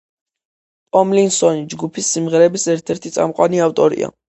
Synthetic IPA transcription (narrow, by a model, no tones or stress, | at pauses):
pʼɔmlinsɔnid͡ʒɡupʰisːimʁɛɾɛbisɛɾt̪ʰɛɾt̪ʰit̪sʼa̰mqʼwaniaft̪ʼɔɾḭa̰